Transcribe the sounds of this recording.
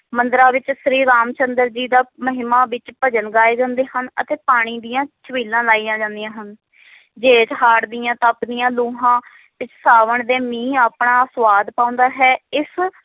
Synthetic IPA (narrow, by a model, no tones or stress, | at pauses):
mənd̪ɾaːʋɪt͡ʃsɾiːɾaːmt͡ʃənd̪əɾd͡ʒiːd̪aːməɦɪmaːʋɪt͡ʃpəd͡ʒənɡaːeːd͡ʒə̃ːnd̪eːɦənə̰t̪eːpaːɽ̃iːd̪ijãːt͡ʃʰəʋiːlãːlaːiːjãːd͡ʒãːnd̪ijãːɦən | d͡ʒeːt͡ʃɦaːɽd̪ijãːt̪ãːpnijãːluːɦãː | ʋɪt͡ʃsaːʋəɳd̪eːmĩːaːpɳaːsʋaːd̪pãːʊ̃ːnd̪aːɦɛːɪs